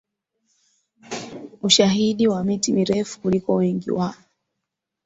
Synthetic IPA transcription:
uʃaɦiɗiwamitimiɾɛfu̥kulikɔwɛŋɡḭwa

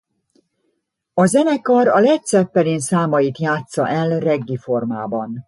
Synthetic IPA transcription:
ɒzɛnɛkɒɾɒlɛc̚t̪sɛpːɛliːnsaːmɒjit̪jaːt̪sɒ̰ʔɛlrɛɡːifo̞rma̰ːbɒn

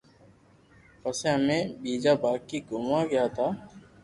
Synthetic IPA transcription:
pəsẽːɦəmẽːɓiːd͡ʒaːbaːkkːiːɡʊːmãːɡɪjaːt̪ʰaː

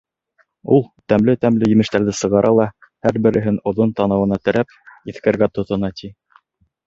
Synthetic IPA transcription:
ulˠt̪æmlɘt̪æmlɘjɘ̆mɘ̆ʃt̪æɾðɘsɤ̆ʁɑɾʔɑlˠɑ | hæɾbɘ̆ɾɘ̆ɦɘnŏðont̪ɑnɤ̆wɤ̆nɑt̪ɘ̆ɾʔæp̚iθkæɾɡæt̪ŏt̪ŏnɑt̪ʰi

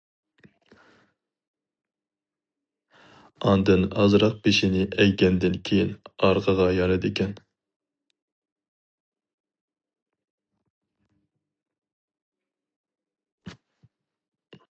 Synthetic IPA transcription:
ɑnd̪ɨnɑzɾɑq̚beʃɪnɪʔɛjɡʲɛnd̪ɪnkʲʰejinɑɾqʰəʁɑjɑnɨd̪ɪkʲɛn

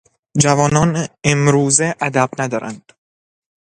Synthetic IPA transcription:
d͡ʒævɒːnɒːnemɾuːzeʔæd̪æb̥næd̪ɒːɾʔæ̰nd̪̥

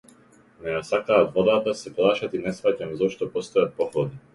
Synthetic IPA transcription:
nɛjasakaːɔd̪vɔd̪aːt̪asɛplˠaːʃat̪inɛsfacamzɔʃt̪ɔpɔst̪ɔjat̪̚pɔxlˠɔd̪i

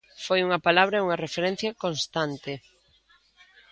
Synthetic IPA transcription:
fojuŋɐpalaβ̞ɾɐeuŋɐrefeɾen̟θjɐkonst̪ant̪e

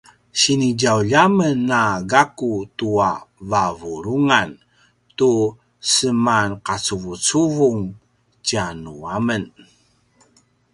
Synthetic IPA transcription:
ɕiniɟawʎamənːaɡakutuavavuɾuŋan | tu | səmanqat͡suvut͡suvuŋ | t͡ɕanuamən

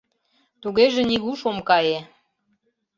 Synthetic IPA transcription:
t̪uɣeʒĕniɣuʃomkɑje

